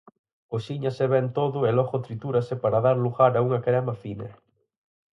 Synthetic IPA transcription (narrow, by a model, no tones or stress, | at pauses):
oʃiɲaseβɛnt̪oðʊelɔɣot̪ɾit̪uɾɐsepaɾaðaɾluɣaɾauŋɐkɾɛmɐfinɐ̰